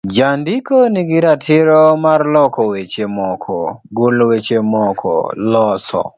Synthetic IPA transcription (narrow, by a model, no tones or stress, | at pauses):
d͡ʒandikoniɡɪɾatʰɪɾɔmarlɔkɔwet͡ʃemɔkʰɔ̰ɡolwet͡ʃemɔkʰɔ̰lɔsɔ̰